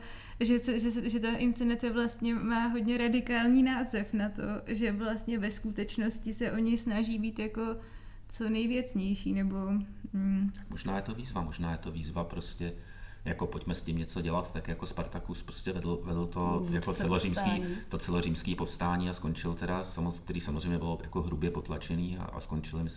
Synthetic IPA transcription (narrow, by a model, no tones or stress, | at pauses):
ʒɛsɛʒɛsɛʒɛt̪aʔɪnst͡sɛnat͡sɛvlast̪ɲɛmaːɦo̞dɲɛɾadɪkaːlɲiːnaːzɛfnat̪o̞̰ʒɛvlast̪ɲɛvɛskut̪ɛt͡ʃno̞scɪsɛʔo̞ɲɪsnaʒiːbiːt̪jako̞ | t͡so̞nɛjvjɛt͡sɲɛjʃḭːnɛbo̞ | moʒnaːjɛt̪o̞viːzvamoʒnaːjɛt̪o̞viːzvapɾo̞scɛ | jako̞po̞cmɛscɪmɲɛt͡so̞ɟɛlat̪t̪akjako̞spaɾt̪akuspɾoscɛvɛdl̩vɛdl̩t̪ojakot͡sɛloriːmskiːt̪ot͡sɛloriːmskiːpofst̪aːɲiːaskont͡ʃɪlt̪ɛdasamok̚t̪ɛɾiːsamozr̝ejmɲɛbɪloja̰ko̞ɦɾubjɛpot̪lat͡ʃɛniːa̰ʔa̰sko̞nt͡ʃɪlɪmɪ